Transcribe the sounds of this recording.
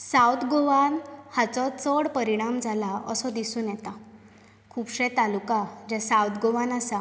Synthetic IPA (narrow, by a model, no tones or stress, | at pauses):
sawt̪ɡoʋanhat͡sɔt͡səɽpəɾiɽ̃amd͡zʱalaəsɔd̪isuːnjɛt̪a | kʰuːpɕɛt̪alukad͡ʑɛsawt̪ɡoʋanasa